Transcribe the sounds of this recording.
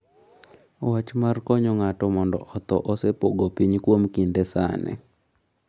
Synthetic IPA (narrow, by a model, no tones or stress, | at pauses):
wat͡ʃmarkɔɲɔŋatɔmɔndɔʔɔt̪ɔʔɔsepoɡopiɲkwomkindɛsa̰nɛ̰